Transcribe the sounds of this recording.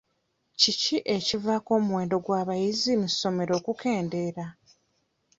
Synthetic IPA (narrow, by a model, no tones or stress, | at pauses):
ciciʔe̞civako̞ːmuwe̞ːndo̞ɡwaːβajizimuso̞me̞ɾo̞ːkukʰe̞ːnde̞ɾa